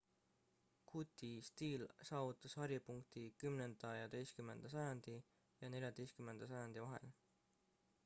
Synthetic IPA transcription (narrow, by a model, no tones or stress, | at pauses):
kʰut̪ʲːˑist̪iːlsɑːvut̪ːˑɑshɑɾjipuŋkt̪ikymne̞nd̪̥ɑjɑd̪e̞jskymːe̞nd̪̥ɑs̬ɑjɑnd̪̥i | jɑne̞lʲjɑd̪e̞jst̪kymːe̞nd̪̥ɑsɑjɑnd̪̥ivɑɦe̞̰l